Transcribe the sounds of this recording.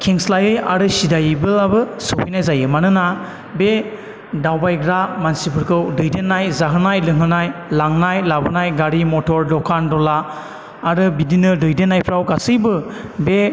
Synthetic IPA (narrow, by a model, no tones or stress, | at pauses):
kʰeŋslajɯja̰ɾɯsidajbɯlabɯsɯwpʰijnajzajɯmanɯna | be | dawbajɡɾamansipʰɯɾkʰɯwdɯjdenːajzaɦɯnajlɯŋɦɯnajlaŋnajlabɯnajɡaɾimɔtʰɔɾlɔkʰandɔlaː | ɾɯbidinɯdɯjdenːajpʰɾawɡasɯjbɯbe